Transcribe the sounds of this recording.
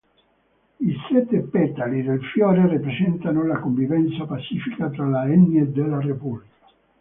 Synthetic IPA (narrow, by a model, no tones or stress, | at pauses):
isɛt̪ːepɛt̪alid̪elfjɔːɾeripɾesɛnt̪anolakoɱvivɛnt̪sapat͡ʃːiːfikat̪ɾalaɛnːed̪ːelːarepublikḁ